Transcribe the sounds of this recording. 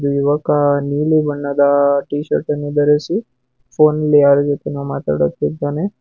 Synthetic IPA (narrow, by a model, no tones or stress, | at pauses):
d̪uiʋəkanilibʱəɳːad̪aʈiʃə̰ɾʈənid̪əɾesi | fonleaɾd͡ʒet̪inomat̪ə̰ɽə̰t̪eane